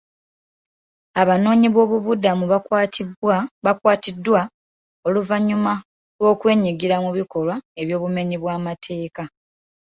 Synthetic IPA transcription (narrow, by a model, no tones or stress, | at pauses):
aβano̞ːɲiβo̞ːβuβudamuβakwatiwaβakwaːtidːwa | o̞luvaɲuma | lwo̞ːkwe̞ːɲiɡiɾamuβiko̞lwae̞βjo̞ːβume̞ɲiβwaːmatʰe̞ːka